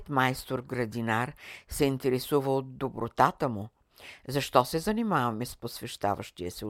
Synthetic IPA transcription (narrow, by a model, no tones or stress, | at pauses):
t̪maɛst̪oɾɡɾɐd̪inaɾsɛint̪ɛɾɛsuvəlˠod̪ːobɾot̪at̪əmʊ | zɐʃt̪ɔsɛzɐnimavɐmɛsposvɛʃt̪a̰və̰ʃt̪iəsɛ